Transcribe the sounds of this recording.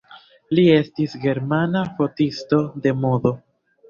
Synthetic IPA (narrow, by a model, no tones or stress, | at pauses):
lie̞stisɡe̞ɾmanafo̞tisto̞de̞moðo̞